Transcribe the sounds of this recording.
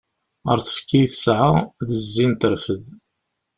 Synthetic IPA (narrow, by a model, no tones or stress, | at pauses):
ə̰ɾθə̥fkːijθəsʕaʁðəzːint̪əɾfəð